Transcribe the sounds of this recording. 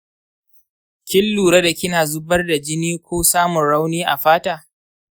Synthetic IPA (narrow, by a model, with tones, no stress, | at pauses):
kʲɪ˦lːuː˨ɽa˦da˨kʲɪ˦naː˨zʊ˦bɐ˦rda˨d͡ʒɪ˦niː˦kʷoː˦saː˦mʊ˨nɽa˦wniː˦ʔa˨ɸaː˦taː˦